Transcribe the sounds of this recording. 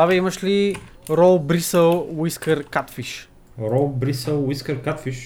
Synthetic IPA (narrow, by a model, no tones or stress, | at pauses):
avɛiməʃli | ɾɔlˠbɾisəlˠwiskəɾkat̪fiʃ | ɾɔlˠbɾisəlˠwiskəɾkat̪fiʃ